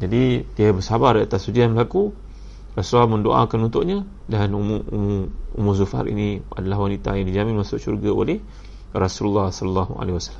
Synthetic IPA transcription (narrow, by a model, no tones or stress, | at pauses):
d͡ʒadidiabəsabaɾiat̪asud͡ʒianbəlaku | rasuaməndoʔa̰kanunt̪ʊʔɲã | danumuṵmuṵmuzufa̰ɾḭnia̰dalahwanit̪a̰jaŋdid͡ʒamĩnmãsʊʔsṵrɡao̰leh | rasululːɑhsɔləlːɑɦua̰lehiwasḁlːa